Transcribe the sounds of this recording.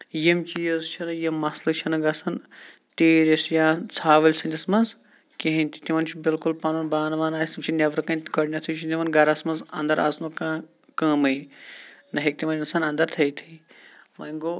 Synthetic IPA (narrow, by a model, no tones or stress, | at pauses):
jimt͡ʃiːɐzt͡ʃʰɐnɨjɐmːɐslɨt͡ʃʰɐnɨɡɐsɐn | t̪eːɾesjãːt͡sʰaːʋɐlʲsɐnʲd̪ʲɐsmɐz | keɦĩnʲt̪i̥t̪iʋɐnt͡ʃʰibilkulpɐnɐnbaːnɐʋaːnaːisimt͡ʃʰinʲɐʋɾkɐnɡɐɽnʲɐt̪ʰut͡ʃʰit̪ʲiʋɐnɡɐɾɐsmɐzɐ̰̃nd̪ɐɾʔa̰snokaː | kɐ̃ːmɐi | nɐɦek̚t̪imɐnʲinsaːnɐ̃nd̪ɐɾt̪ʰɐjt̪ʰii | ʋɐŋɡoː